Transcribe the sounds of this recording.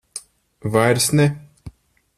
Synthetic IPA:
vajɾsnɛ

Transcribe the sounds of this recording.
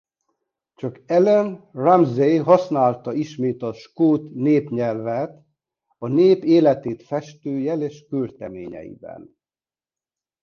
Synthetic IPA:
t͡ʃɒkɛlɛnramzejɦɒsnaːlt̪ɒiʃmeːt̪ɒʃkoːt̪neːpɲɛlvæːt̪ | ɒneːpeːlɛt̪eːt̪fɛʃt̪øːjɛleːʃkyrt̪ɛmḛːɲɛ̰jḭbɛ̰n

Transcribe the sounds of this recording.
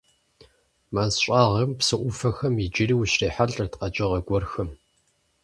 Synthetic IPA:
maːzɕʷʼaːʁɐmpsɨʔʷʊfɐxɐmid͡ʒɪriːwɕreːħaɮʼɐrtqɐt͡ʃʼɪʁɐɡʷɔrxɐm

